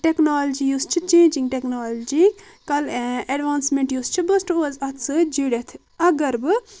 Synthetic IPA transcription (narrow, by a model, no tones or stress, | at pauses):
ʈeknaːld͡ʒijuːst͡ʃʰit͡ʃẽːnd͡ʒĩŋɡʈeknaːld͡ʒi | kɐlɐɖʋaːnsmẽɳʈjuːst͡ʃʰibɨsʈozɐt̪sɨd͡ʒiɽet̪ʰ | ɐɡɐɾbɨ